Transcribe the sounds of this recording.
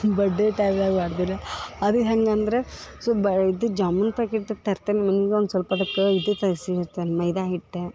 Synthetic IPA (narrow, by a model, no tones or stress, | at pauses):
bɐɖːeʈaːʋaːɡbaːɽd̪ilːɐɐd̪uɦɐŋɡɐnd̪ɐɾesobid̪ud͡ʒaːmunpɾaːkeʈ̪ːɐt̪ɐɾt̪enemɐnɡeond̪usʋɐlpɐd̪ɐkːeid̪ut̪ɐsiiɾt̪enmɐjd̪aːɦiʈd̪e